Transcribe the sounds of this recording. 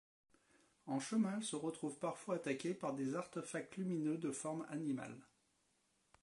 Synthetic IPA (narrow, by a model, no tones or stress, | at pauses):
ɑ̃ʃəmɛ̃ɛlsəʁət̪χuvpaʁfwaːt̪akʲepaʁd̪ezaʁt̪əfak̚t̪lyminød̪əfɔʁma̰nima̰l